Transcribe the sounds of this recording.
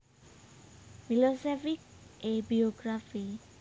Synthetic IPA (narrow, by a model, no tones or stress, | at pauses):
filosefik̚ʔebioɡɾafi